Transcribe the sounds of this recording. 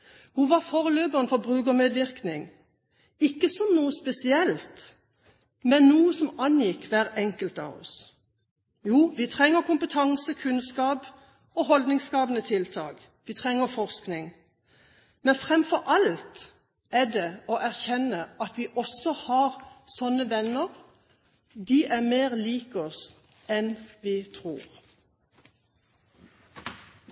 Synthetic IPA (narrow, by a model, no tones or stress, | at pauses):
huʋɑʁfoːʁəløːbəʁənfɔʁbʁʉːkəmeːd̪ʋɪʁknɪŋ | ɪkːəsɔmnuːəspɛsɪɛlt̪ | mɛnːnuːəsɔmɑnjɪkːʋæːʁɛŋkəlt̪ɑ̰ʋɔ̰s | juːʋɪt̪ʰʁɛŋːəɾkʰʊmpət̪ʰɑŋsəkʰʉnskɑːp | ɔɦɔld̪nɪŋskɑːbənət̪ʰɪlt̪ʰɑ̰ːk | ʋit̪ʰʁɛŋːəfɔʁsknɪŋ | mɛnfʁɛmfɔɾʔɑlt̪ | æd̪ɛoːʔæʁçɛnəɑt̪ʋiːʔɔsɔhɑːʁsɔnːəʋɛnəʁ | d̪iːʔæʁmeːʁliːkɔs | ɛnʋiːt̪ʰʁuːʁ